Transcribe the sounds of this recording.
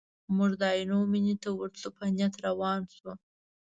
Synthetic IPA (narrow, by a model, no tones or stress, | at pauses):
muʐd̪ɑjnominit̪awəɾt͡supanjat̪ɾawɑnsu